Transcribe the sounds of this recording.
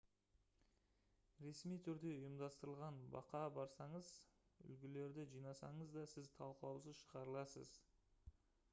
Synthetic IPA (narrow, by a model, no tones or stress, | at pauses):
ɾe̞smijt̪ʰʏɾd̪e̞ʊjəmd̪ɑst̪əɾəlˠʁɑnbɑ̰qɑbɑɾsɑɴəz | ʏ̰lɡʲɪle̞ɾd̪ɪʒijnɑsɑɴəzd̪ɑsɪzt̪ʰɑlˠqˠɑwsəzʃəʁɑɾəlˠɑsə̰z